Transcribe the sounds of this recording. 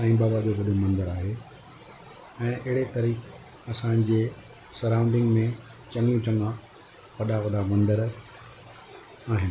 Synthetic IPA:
ãĩbaːbadoʋɐɗomɐ̃nd̪əɾaːɦe | ɛ̃ːʔɐɦɪɽet̪ɐɾiːk | ɐsãd͡ʑeː | sɐɾãːʊ̃nd̪ɪ̃ŋɡmẽ | t͡ɕɐ̃ŋɡijũt͡ɕɐ̃ŋɡã | ʋɐɗaʋɐɗ̪amɐ̃nd̪əɾ | aːɦɪnɪ̆

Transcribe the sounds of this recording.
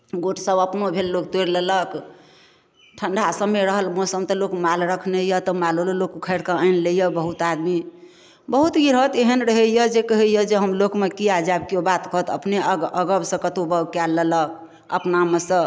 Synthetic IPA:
ɡoʈʰsəbəpnobʱelːokt̪oɾlələk | ʈʰəɳɖʱasəmːeɾəɦəlmɔsəmt̪ɔlokmalɾəkʰnejət̪ɔmaloləlokukʰəɾkəəɪnlejəbəɦut̪ad̪mi | bəɦut̪ɡiɾɦət̪eɦənɾəɦəjəd͡ʒekəɦejəd͡ʒeɦəmlokmekiad͡ʒabkeobat̪kəɦt̪əpneəɡəbsə̃kət̪obəbkɛlːələk̚ | ə̰pnamesə̃

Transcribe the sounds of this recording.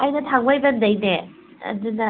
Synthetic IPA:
ajnɐtʰaŋbajbɐndɐjne | ɐ̰dɯnɐ

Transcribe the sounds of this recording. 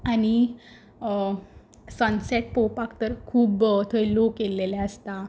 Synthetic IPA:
añi | sə̃nsɛʈ̚powpakt̪əɾkʰuːbt̪ʰəjlokelelaəst̪a

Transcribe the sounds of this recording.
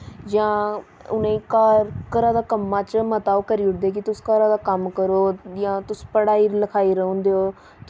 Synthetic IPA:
d͡ʒãː | ʊnẽːkaɾkəɾãːd̪aːkəmːãːt͡ʃmət̪aːokəɾiːʊʈ̚ʰd̪eːk̬ɪt̪ʊskəɾãːd̪aːkəmkəɾoːjãːt̪ʊspəɽaːiːləkʰaːiːɾəɦõːnd̪eːoː | t̪

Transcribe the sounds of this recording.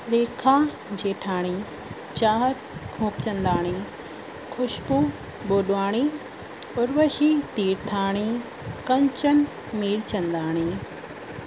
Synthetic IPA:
ɾeːkʰãː | d͡ʑeːʈʰaːɽ̃i | t͡ɕaːɦət̪kʰũːpt͡ɕɐ̃nd̪aːɽ̃i | kʰʊʃpu | ɓoːɗʋaːɽ̃i | ʊɾʋəhit̪iːɾt̪ʰaːɽ̃i | kɐ̃ɲt͡ɕən | miːɽt͡ɕɐ̃nd̪aːɽ̃iː

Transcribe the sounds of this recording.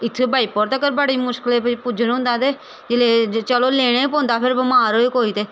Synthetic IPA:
ɪt̪ʰːeːbaːiːpɔːɾt̪əkəɾbəɽiːmʊʃkəleːppʊd͡ʒənɦʊ̃nd̪aːt̪eː | d͡ʒɪleːt͡ʃəloːleːɽ̃ẽːpõːnd̪aːpʰɪɾbəmaːɾoːeːkoːiːt̪eː

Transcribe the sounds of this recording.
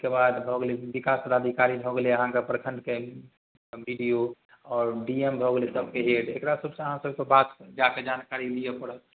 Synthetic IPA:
kebad̪bʱɔɡleʋikasəɾad̪ʱikaɾibʱoɡeleəɦãkepɾəkʰə̃nd̪ke | bʱiɖijo | ɔːɾɖiembʱɔɡelesəb̚ʱkeɦeɖekɾasəbsə̃əɦãsəbkebat̪d͡ʒaked͡ʒankaɾilijepəɽə

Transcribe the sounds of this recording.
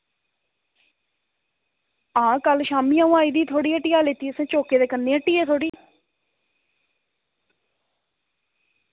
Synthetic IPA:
ãːkəlʃaːmiːãːũaːiːd̪iːt̪ʰoːɽiːəʈiːaːleːt̪iːəsẽːt͡ʃoːkeːd̪eːkənːeːəʈːiːeːt̪ʰoːɽiː

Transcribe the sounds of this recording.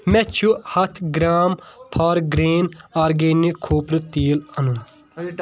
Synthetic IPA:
mɛt͡ʃʰuhɐt̪ʰɡɾaːmpʰaːɾɡɾeːnaːɾɡeːnːikʰːoːpɾɨt̪iːlɐnu

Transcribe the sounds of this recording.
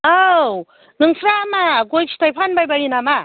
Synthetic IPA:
aw | nɯŋsʰɾamaɡojksʰi̥tʰajpʰanbajbajinama

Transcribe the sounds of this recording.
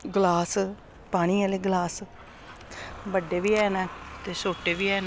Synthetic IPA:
ɡlaːs | paːɽ̃iːɛːleːɡlaːs | bəɖeːʋiːɛːnɛ̃ːt̪eːsoːʈeːʋiːɛːn

